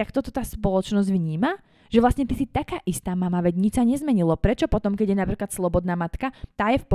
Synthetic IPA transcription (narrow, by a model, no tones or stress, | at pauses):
akt̪ɔt̪ɔt̪aːspɔlɔt͡ʃnɔzɟʋɲiːma | ʒ̥ɛʋlast̪ɲɛt̪isit̪akaːʔist̪aːmamaʋɛɟɲit͡ʃsaɲɛzmɛɲilɔpɾɛt͡ʃɔpɔt̪ɔmkɛɟjɛnapɾiːklat̪slɔbɔd̪naːmat̪kat̪aːjɛfpɔ